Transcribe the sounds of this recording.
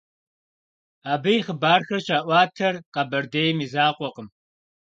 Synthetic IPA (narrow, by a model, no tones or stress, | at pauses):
aːbɐjiχəbaːrxɐrɕaːʔʷɑːtʰɐrqɐbɐrdeːjmiːzaːqʷʼɔqəm